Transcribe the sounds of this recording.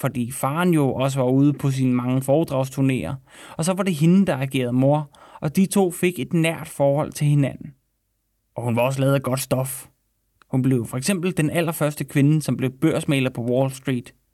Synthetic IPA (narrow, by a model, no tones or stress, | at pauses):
fɒ̽d̥ḭːfɑ̈ːnjo̝ʔɒ̽s̬əʋɑ̈uːð̞ˠəpʰɒ̽s̬inəmɑ̈ŋəfɒːd̥ʁɑ̈ʊst͡sʰuɐne̝̰ːɐɒ̽sɒ̽ʋɑ̈de̝ɦe̝n̩d̥ɑ̈ɑɡ̥e̝̰ːɐð̞ˠmo̝ɐ̰ʔɒ̽d̥it͡sʰo̝̰ːfe̝ɡ̥e̝d̥næɐ̰d̥fɒːhɒ̽l̰t͡sʰe̝lhe̝næn̰n̩ | ʔɒ̽hunʋɑ̈ɒ̽s̬əlɛːðˠɡ̥ɒ̽d̥sd̥ɒ̽f | hunb̥le̝ʊfɒ̽eɡ̥sem̰b̥l̩d̥enæl̰ɐfɶɐsd̥əkʰʋe̝nəsɒ̽mb̥le̝ʊb̥øɐ̰smḛːlɐpʰɒ̽wɒːlsd̥ʁḭːd̥